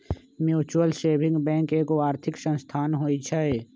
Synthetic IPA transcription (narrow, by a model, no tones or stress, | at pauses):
mjuːt͡ʃuwəlseːbʱɪ̃ŋɡbɛ̃ːŋkeːkoaːɾt̪ʰɪksə̃nst̪ʰaːnɦoːit͡ʃʰaeː